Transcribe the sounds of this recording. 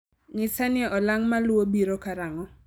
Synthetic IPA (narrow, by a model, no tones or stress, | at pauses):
ŋɪsanɪɔʔɔlaŋmalwobiɾokaɾaŋɔ